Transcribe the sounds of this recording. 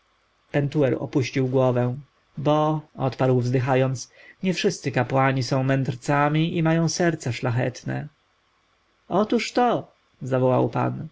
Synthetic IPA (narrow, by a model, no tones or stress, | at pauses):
pɛnt̪uɛɾɔ̰puɕt͡ɕiwɡwɔvɛ̃ | bɔɔ̰t̪paɾwvzd̪ɘxajɔnt̪sɲɛfʂɘst̪sɘkapwaɲisɔ̃w̃mɛnd̪ɾt̪samʲiʔimajɔ̃w̃sɛɾt̪saʂlaxɛ̰t̪nɛ̰ | ɔt̪uʂt̪ɔ | zavɔwa̰wpa̰n